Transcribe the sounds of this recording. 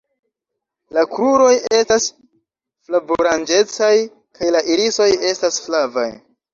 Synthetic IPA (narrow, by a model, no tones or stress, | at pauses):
lakɾuɾo̞je̞stas | flaboɾand͡ʒe̞t͡saj | kʰajlaʔiliso̞je̞stasflava̰j